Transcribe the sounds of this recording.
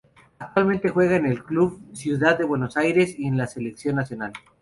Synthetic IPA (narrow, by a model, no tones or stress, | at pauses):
ak̚t̪walment̪e̞xwe̞ɣaene̞lkluβsjuðaðːe̞βwe̞no̞sajɾe̞sie̞nlase̞le̞ksjo̞nːasjo̞nal